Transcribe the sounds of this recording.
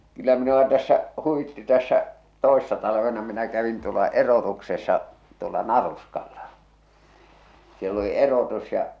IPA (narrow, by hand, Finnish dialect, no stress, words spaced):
kylːæ minuɑ tæsːæ huwitːi tæsːæ toesːɑ tɑlɑʋenɑ minæ kæʋin tuolɑ erotuksesːɑ tuolɑ nɑruskɑlːɑ sielː oli erotus jɑ